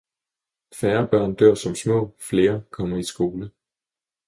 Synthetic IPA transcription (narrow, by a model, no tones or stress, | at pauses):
fæːɐb̥ɶɐ̰nd̥øɐ̰sɒ̽msmɔ̰̽ːfle̝ːɐkʰɒ̽m̰ɐisɡ̥o̝ːlə